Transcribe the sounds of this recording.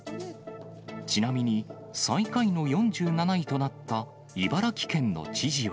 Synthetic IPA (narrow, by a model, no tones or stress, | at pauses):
t͡ɕinamʲiɲ̟i | sãikaino̞jõ̞ɲd͡ʑɨːnanaɲit̪o̞nat̪ːa | ibaɾakʲi̥kẽ̞nːo̞̰t͡ɕiʑiβa